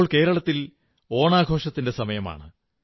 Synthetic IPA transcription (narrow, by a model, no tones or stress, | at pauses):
ɭke̞ːɾɐɭɐt̪ːil | o̞ːɳaːɡʱo̞ːʂɐt̪ːinde̞sɐmɐjɐma̰ːɳɨ